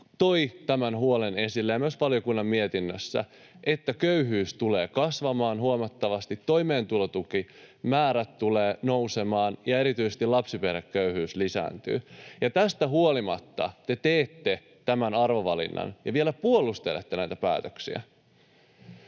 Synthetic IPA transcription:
t̪o̞it̪æmænhuolene̞silːæjɑmyøsʋɑlijokunːɑmːmiet̪inːøsːæ̰ | ʔet̪ːækøyɦyːst̪uleːkɑsʋɑmɑːnɦuomɑt̪ːɑʋɑst̪it̪ːo̞ime̞ːnt̪ulot̪uki | mæːɾæt̪tuleːno̞wsemɑːnjɑe̞ɾit̪yisest̪ilɑpsipeɾekkøyhyːslisæ̰ːnt̪y̰ːjɑt̪æst̪æɦuolimɑt̪ːɑ̰t̪e̞t̪eːt̪ːe | t̪æmænɑrʋoʋɑlḭnːɑ̰njɑ̰ʋielæpuolˑust̪elḛt̪ːenæjt̪æpæ̰ːt̪øksḭæ̰

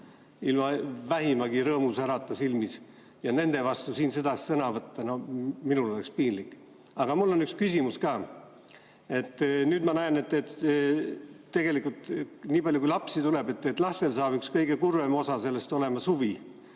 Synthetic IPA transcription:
ilmɑvæɦimɑɡiɾɤːmusæɾɑt̪ˑːɑsilmis | jɑne̞nd̪̥e̞vɑst̪usiːnsed̪̥ɑsisɤnɑvɤt̪ːɑno̞minulole̞kspiːnlikːˑ | ɑɡ̥ɑmulːo̞nykskysimuskɑː | e̞t̪ˑːnyːd̪mɑnæene̞t̪ːˑet̪ | e̞ɡe̞likːˑult̪niːbpɑljuk̬uilɑpsit̪ule̞be̞t̪ːˑet̪lɑse̞lsɑːb̥ykskɤjɡ̥e̞kurvemo̞sɑse̞lːe̞st̪o̞le̞mɑshuvi

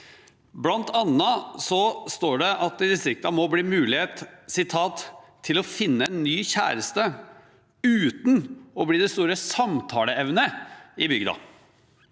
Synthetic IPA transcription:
blɑnt̪ɑnːɑsɔst̪oːɖɛʔɑt̪̚ɪd̪ɪst̪ɾɪk̚t̪ɑmɔbliːmʉːlɪheːt̪sɪt̪ʰɑːt̪ʰː | ɪlɔfɪnːəɛnːyːçæ̰ːɾəst̪ə | ʉːt̪n̩ɔbliːd̪ɛst̪uːɾəsɑmt̪ʰɑːləɛʋnəɪbʏɡd̪ɑ̰

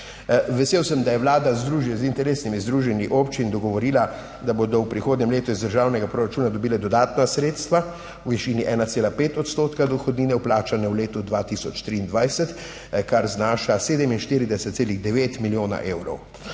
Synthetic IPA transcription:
ʋɛseːwsəmd̪ajɛʋlaːd̪azd̪ɾuːʒjɛzint̪ɛɾeːsnimizd̪ɾuʒɛniʔoːpt͡ʃind̪ɔɡɔʋɔɾiːla | d̪abod̪ɔwpɾixoːd̪ɲɛmleːt̪uizd̪əɾʒaːwnɛɡapɾoɾat͡ʃuːnad̪ɔbiːlɛd̪ɔd̪aːt̪nasɾeːt̪st̪ʋa | wʋiʃiːniʔɛːnat̪seːlapeːt̪ɔt̪st̪oːt̪kad̪ɔxɔd̪niːnɛwplaːt͡ʃanɛwleːt̪ud̪ʋat̪isɔt͡ʃt̪ɾiːnd̪ʋajsɛt̪ | kaɾznaːʃaseːd̪ɛminʃt̪iɾid̪ɛsɛt̪seːliɣd̪ɛʋeːt̪miljoːna̰ʔeːwɾɔ̰w

